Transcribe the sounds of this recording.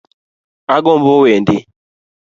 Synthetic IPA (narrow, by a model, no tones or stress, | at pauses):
aɡɔmbɔwendi